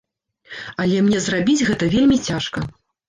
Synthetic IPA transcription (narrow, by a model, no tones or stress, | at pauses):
ɐlʲɛmnʲɛzrabʲid͡zʲɣɛt̪ɐvʲelʲmʲit͡sʲaʂkɐ